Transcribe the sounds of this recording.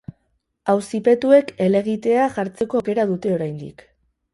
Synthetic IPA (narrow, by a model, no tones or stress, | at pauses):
awsipe̞t̪ue̞ke̞le̞ɣit̪e̞aʝaɾt͡se̞ko̞ːke̞ɾað̞ut̪e̞o̞ɾajnd̪ḭk